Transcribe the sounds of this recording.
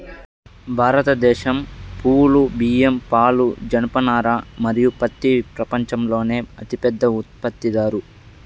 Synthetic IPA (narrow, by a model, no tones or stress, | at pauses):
bʱaːɾɐt̪ɐd̪ɛːʃɐmpuːlubiːempaːlud͡ʒɐnɐpɐnaːɾamɐɾijupɐt̪ːipɾɐpɐɲt͡ʃɐmlo̞ːne̞ːɐt̪ipɛd̪ːɐut̪̚pɐt̪ːid̪aːɾu